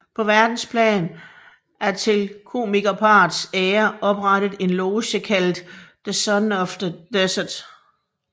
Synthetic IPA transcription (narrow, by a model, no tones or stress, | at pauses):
pʰɒ̽ʋæɐd̥n̩spʰlɛ̰ːn | ʔæɐt͡sʰe̝lkʰo̝̰ːmiɡ̥ɐpʰɑ̈ːd̥seːɐɒ̽b̥ʁɑɾ̥əð̩ˠe̝nloʊɕəkʰæl̰d̥ː | esɒnɒfd̥ɐd̥esəd̥